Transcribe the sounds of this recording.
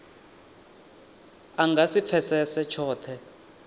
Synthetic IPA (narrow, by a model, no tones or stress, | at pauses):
aŋɡʱasip̪fʰɛsɛsɛt͡ʃʰɔːt̪ʰɛ